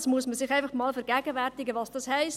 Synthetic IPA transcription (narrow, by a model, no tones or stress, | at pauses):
smuəsməsɪχæɪfɑχmɑːlfɛɾɡæːɡəvæɾtɪɡəʋɑsd̥ɑshɛɪs